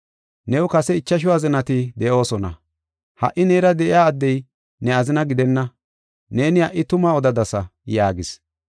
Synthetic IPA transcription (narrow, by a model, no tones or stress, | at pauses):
nɛwʊkɐsɛɪt͡ʃːɐʃ̬ʊɐzɪnɐt̪ɪd̪ɛʔo̞ːsɔnɐ | hɐ̰ʔɪnɛːɾɐd̪ɛʔɪjaːd̪ːɛj | nɛɐzɪnɐɡɪd̪ɛnːɐ | ne̞ːnɪɐʔːɪt̪ʊmaɔd̪ɐd̪ɐsɐjaːɡɪs